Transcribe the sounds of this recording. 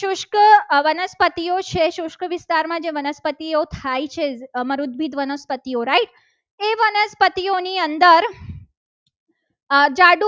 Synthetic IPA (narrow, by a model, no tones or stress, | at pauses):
ʃʊʃkəʋənəspət̪iot͡ʃʰeʃʊʃkʰʋɪst̪aɾmãd͡ʒeʋənəspət̪iot̪ʰajt͡ʃʰeməɾud̪̚bʱid̪ʋənəspət̪ijoɾaiʈ̚ | eʋənəspət̪ioniənd̪əɾ | d͡ʒaɽu